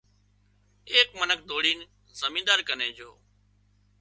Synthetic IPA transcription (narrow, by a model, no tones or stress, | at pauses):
eːkmənək̚ʰd̪oːɽiːn | zəmĩːd̪aːɾkənẽːd͡ʒo̰ː